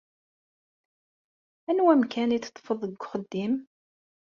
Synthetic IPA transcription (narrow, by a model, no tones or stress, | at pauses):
ænwæmkʰænit͡st̪ˤːfəðˤəɡʷχəd̪ːim